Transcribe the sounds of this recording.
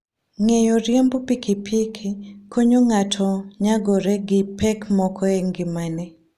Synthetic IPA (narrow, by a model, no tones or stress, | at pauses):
ŋejoɾjɛmbɔpikʰɪpʰikʰikoɲoŋatʰɔɲaɡoɾɛɡɪpɛkmɔkɔɛŋɡɪmanɛ